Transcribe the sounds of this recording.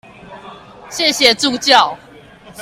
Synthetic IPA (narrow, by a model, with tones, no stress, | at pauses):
ɕjɛ˥˨ɕjɛ˨˩t͡su˥˧˨t͡ɕjɑ˥˨ʊ